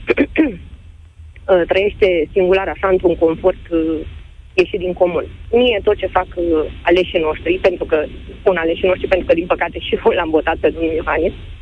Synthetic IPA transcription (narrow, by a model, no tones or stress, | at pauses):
ət̪ɾəje̞ʃt̪e̞siŋɡulaɾaʃaɨnt̪ɾuŋko̞nfo̞rt̪ | je̞ʃid̪iŋko̞munmije̞t̪o̞t̪̚t͡ʃe̞fakale̞ʃino̞ʃt̪ɾipe̞nt̪ɾukəspunale̞ʃino̞ʃt̪ɾipent̪ɾukəd̪inpəkat̪e̞ʃiolambo̞t̪at̪̚pe̞d̪onuljoɦanis